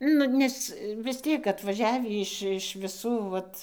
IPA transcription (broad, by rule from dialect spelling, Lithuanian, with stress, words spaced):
ˈnʊ ˈnʲɛs ʋʲɪs ˈtʲiɛk ɐtʋɐˈʒʲæːʋʲiː ˈɪʃ ɪʃ ʋʲɪˈsuː ˈʋɐt